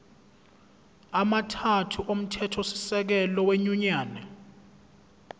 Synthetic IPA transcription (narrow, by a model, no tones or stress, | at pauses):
amatʰatʰuʔom̩tʰɛtʰɔsi̥sɛk̬ɛlɔweɲuɲaːnɛ